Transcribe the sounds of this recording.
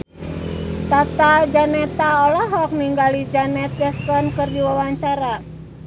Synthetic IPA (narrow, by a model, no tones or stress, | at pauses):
t̪at̪ad͡ʒanɛt̪aɔlɔɦɔk̚niŋɡalid͡ʒanɛt̪̚d͡ʒɛskɔnkɨrdiwawaɲt͡ʃaɾa